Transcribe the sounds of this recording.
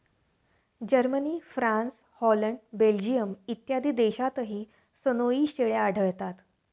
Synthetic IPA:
d͡ʑəɾməniːfɾãns | hɔləɳɖbeld͡ʑijəmit̪jad̪ʱiːd̪eɕat̪əɦiː | sənoiːɕʈeɭeaɖʱəɭt̪at̪

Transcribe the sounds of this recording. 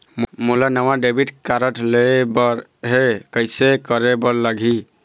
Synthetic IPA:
mmulanəwaɖebiʈkaɾəʈʰlebɔɾɦekəjsekəɾebəɾlaɡʱi

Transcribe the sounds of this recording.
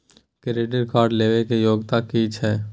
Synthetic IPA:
keɾeɖəɾkaːɾɖleːʋekejoːɡt̪akit͡ʃʰɛː

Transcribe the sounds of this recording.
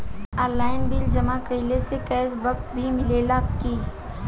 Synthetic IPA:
aːɾlaːɪnbild͡ʒɐmakɐɪlesekɛːsbɐk̚bʱimɪleːlakiː

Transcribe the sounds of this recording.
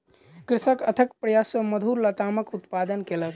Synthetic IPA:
kɾɪsəkət̪ʰəkpɾəjasəməd̪ʱuɾlət̪aməkut̪pad̪ənkelək

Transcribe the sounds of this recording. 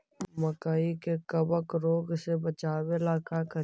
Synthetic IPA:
məkaikekəbəkɾoːɡsebət͡ʃaːwelaːkakə

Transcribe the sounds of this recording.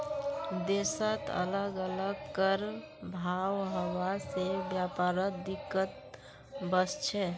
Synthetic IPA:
d̪esət̪ə̰ləɡələɡkəɾ | bʱaːwɦəwasebjapaːɾəd̪ɪkːət̪̚ | bəst͡ʃʰɛ

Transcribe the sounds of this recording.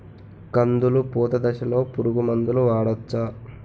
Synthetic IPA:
kɐnd̪ulupuːt̪ɐd̪ɐʃɐlo̞ːpuɾuɡumɐnd̪uluʋaːɽɐt͡ʃːa

